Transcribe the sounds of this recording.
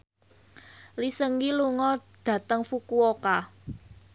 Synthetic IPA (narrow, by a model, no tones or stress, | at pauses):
lisəŋɡiluŋɔd̥ä̤t̪əŋfukuoka